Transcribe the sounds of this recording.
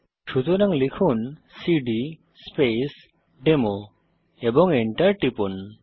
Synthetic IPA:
ʃud͡ʒɔnaŋlikʰunsiɖi | spes | ɖemo | ebɔŋiɳʈɐɾʈipun

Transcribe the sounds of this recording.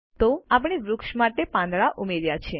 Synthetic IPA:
t̪oap̬ɳ̃iʋɾʊkʃmaʈepãnd̪ɭaʔumeɾjat͡ʃʰe

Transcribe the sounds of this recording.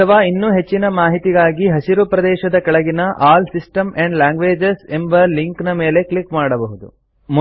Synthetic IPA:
ɐɐʋaːinːuːɦe̞t͡ʃːinɐmaːɦit̪iɡaːɡiɦɐsiɾupɾɐd̪ɛːʃɐd̪ɐkɐɭɐɡinɐʔaːlsisʈɐmeɳɖlaːŋɡʋe̞ːd͡ʒesembɐliŋknɐme̞ːle̞kɭikmaːɽɐbɐɦud̪ṵ | m

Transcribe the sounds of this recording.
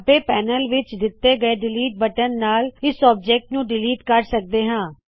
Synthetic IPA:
əpeːpɛːnəlʋɪt͡ʃd̪ɪt̪ːeːɡəeːɖɪliːʈ̚bəʈənːaːlɪsɔːb̚d͡ʒeːk̚ʈnũːɖɪliːʈkəɾsək̚d̪eːɦãː

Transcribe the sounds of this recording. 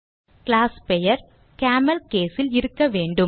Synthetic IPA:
kɪlaːspɛjɐɾ | kaːmɐlkeːsɪlɪɾɯkːɐʋeːɳɖɯ

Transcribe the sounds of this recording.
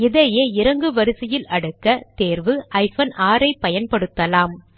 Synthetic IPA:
ɪðɐjeːɪɾɐŋɡɯʋɐɾɯsɪjɪlɐɽɯkːɐt̪eːɾʋɯʔɐɪfɐnaːɾɐɪpːɐjɐnpɐɽɯt̪ːɐlaːm

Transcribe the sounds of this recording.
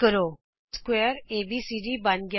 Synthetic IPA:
kəɾoː | skweːɾeːbiːsiːɖibãnɡj

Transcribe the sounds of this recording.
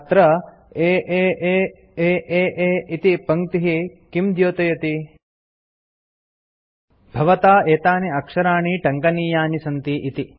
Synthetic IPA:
t̪ɾɐ | eːʔeːeː | eːʔeːʔeːit̪ipɐŋt̪iɦikimd̪joːt̪ɐjɐt̪i | bʱɐʋɐt̪aːeːt̪aːniɐkʂɐɾaːɳiʈɐŋkɐniːjaːnisɐnt̪iʔit̪i

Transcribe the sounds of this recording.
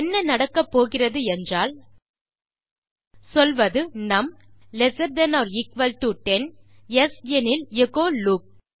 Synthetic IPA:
ɛnːɐnɐɽɐkːɐpːoːɣɪrɐðɯɛndraːl | sɔlʋɐðɯnɐmlɛsɐɾd̪ɐnaːɾɪkʋɐlʈuʈːɛn | ɛsɛnɪlɛɣoːluːk̚

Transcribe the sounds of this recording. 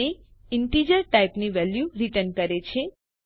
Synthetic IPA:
e | ɪɳʈid͡ʒəɾʈaijpniʋɛljuɾiʈənkəɾet͡ʃʰe

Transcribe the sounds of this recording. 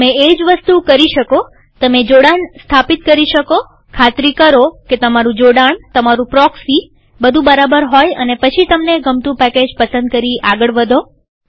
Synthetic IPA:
meed͡ʒʋəst̪ukəɾiʃəko | t̪əmed͡ʒoɽaɳst̪ʰapit̪̚kəɾiʃəko | kʰat̪ɾikəɾoket̪əmaɾũd͡ʒoɽaɳt̪əmaɾũpɾɔksi | bəd̪ʱũbəɾabəɾɦojə̰nepət͡ʃʰit̪əmneɡəmt̪ũpɛked͡ʒpəsə̃nd̪̚kəɾiaɡəɭʋəd̪ʱo

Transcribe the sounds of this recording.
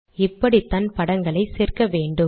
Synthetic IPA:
ɪpːɐɽit̪ɐnpɐɽɐŋɡɐɭɐɪseːrkɐʋeːɳɖɯ

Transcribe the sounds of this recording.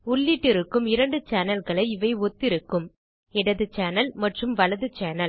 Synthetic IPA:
ʊɭːiʈːɪɾɯkːɯmɪɾɐɳɖɯt͡ʃaːnɐlɣɐɭɐɪɪʋɐɪɔt̪ːɪɾɯkːɯm | ɛɽɐðɯt͡ʃaːnɐlmɐʈrɯmʋɐlɐðɯt͡ʃaːnɐl

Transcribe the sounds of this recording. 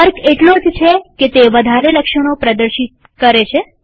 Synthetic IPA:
əɾkeʈlod͡ʒt͡ʃʰeket̪eʋəd̪ʱaɾeləkʃəɽ̃opɾəd̪əɾʃit̪̚ | kəɾet͡ʃʰe

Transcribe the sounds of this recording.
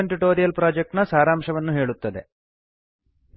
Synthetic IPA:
ɐɳʈiʈoːɾijɐlpɾaːd͡ʒek̚ʈnɐsaːɾaːmʂɐʋɐnːuɦe̞ːɭut̪ːɐd̪e̞̰

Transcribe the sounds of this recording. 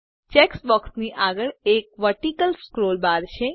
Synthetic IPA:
t͡ʃeksbɔksniʔaɡəɭek̚ʋəʈikəlskɾolbaɾt͡ʃʰe

